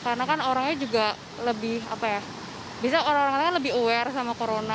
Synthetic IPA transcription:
kaɾənakanoɾaŋɲad͡ʒuɡa | ləbɪha̰paja | biasaoɾaŋoɾaŋkakanləbɪɦuwɛrsamakoɾona

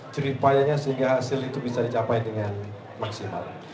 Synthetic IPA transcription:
t͡ʃəɾipajaɲasəɦiŋɡahasɪlit̪ubisadit͡ʃapajdəŋan | maksima̰l

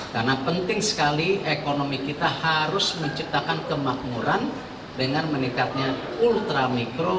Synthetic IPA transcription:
karnapənt̪ɪŋsə̥kaliekonomikit̪ahaɾʊsməɲt͡ʃip̚t̪akankəmak̚muɾan | dəŋanmənikat̪̚ɲa | ult̪ɾamikɾo

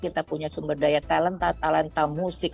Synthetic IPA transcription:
kit̪apuɲasumbərdajat̪alənt̪at̪alant̪amusɪk

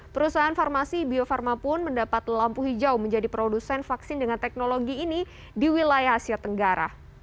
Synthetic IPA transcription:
pəɾusaɦanfarmasibiofarmapʊnməndapat̪ləlampuɦid͡ʒaʊhməɲd͡ʒadipɾodusɛnfaksɪndəŋant̪ɛk̚noloɡiːni | diwilajaɦasiat̪əŋɡaɾa̰

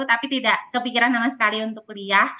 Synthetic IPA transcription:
ut̪apit̪idaʔkəpikiɾanːamasə̥kaliunt̪ʊkliah

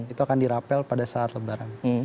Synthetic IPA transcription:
it̪uakandiɾapɛlpadasaʔːt̪ləbaɾan

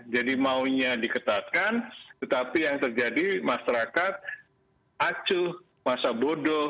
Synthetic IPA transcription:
d͡ʒadimauɲadikət̪at̪̚kant̪ət̪apijaŋt̪ərd͡ʒadimaʃaɾakat̪̚ | ʔat͡ʃu | masabodɔ

